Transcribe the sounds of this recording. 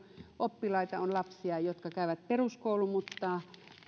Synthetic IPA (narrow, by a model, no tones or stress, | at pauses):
ʔopːilɑit̪ɑonlɑpsiɑjot̪kɑkæˑyʋæt̪̚peruskoulumut̪ːɑː